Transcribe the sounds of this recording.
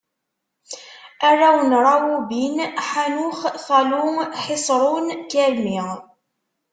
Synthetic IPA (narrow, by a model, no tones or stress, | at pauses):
ærˤːawənɾˤɑwubinħanuχθɑluħɪsˤɾˤunkæɾmi